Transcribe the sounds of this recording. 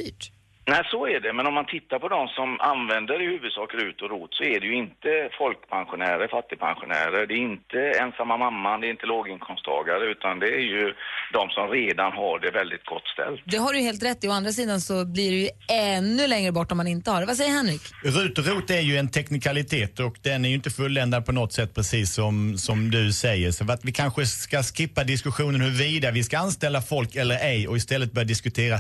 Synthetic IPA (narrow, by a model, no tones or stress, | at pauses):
yːʈ | næɪsɔæɖɛmɛnɔmːant̪ʰɪt̪ːaɾpʰɔd̪ɔmsɔma̰nvɛnd̪əɖɛhʉ̟ːvɵd̪sɑːkəɾʉ̟ːt̪ɔɾuːt̪sɔɛæɖɛjɵɪnt̪əfɔlkpʰanɧʊnæːɾəfat̪ːɪpʰa̰nɧʊ̰næ̰ːɾəɖɛːɪnt̪əɛnsamːamamːand̪ɛɾɪnt̪əloːɡɪŋkʰɔmst̪ʰɑ̰ːɡaɾəʉ̟ːt̪and̪ɛæɾjɵd̪ɔmsɔmɾeːd̪anɦaɖɛvɛld̪ɪt̪̚ɡɔt̪ːst̪ɛ̰lːd̪ɛɦaɾɛjɵheːlt̪ɾɛt̪ːɪɔand̪ɾas̬iːd̪ansɔbliɖɛjɵɛnːɵlɛŋɾəbɔʈːɔmanɪnt̪əhaɾvas̬ɛjːəɾhɛnɾɪkɾʉ̟ːt̪ɔɾuːt̪æɾjɵɛnt̪ʰɛknɪkʰalɪt̪ʰeːt̪ɔkd̪ɛnæɾjʏɪnt̪əfɵlːɛnd̪ad̪̚pʰɔnɔt̪ːsɛt̪ːpʰɾɛsiːsːɔmsɔmd̪ɵsɛjːəɾʂɔat̪vɪkʰanɧəkaskɪpːad̪ɪskɵɧuːnənhɵɾviːd̪avɪskaanst̪ɛlːafɔlkɛlːəɾɛjɔɪst̪ɛlːət̪̚bœɾjadɪskɵt̪ʰeːɾa